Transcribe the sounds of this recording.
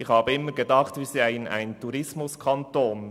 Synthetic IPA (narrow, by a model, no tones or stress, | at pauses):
ɪxhɑːbəɪmːəɡedɑχtviːsiaɪəna̰ɪntuɾɪsmʊskʰɑntoːn